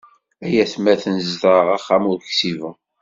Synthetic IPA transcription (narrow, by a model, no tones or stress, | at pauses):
æjæθmæθənzdəʁaχːæmʊɾçsivə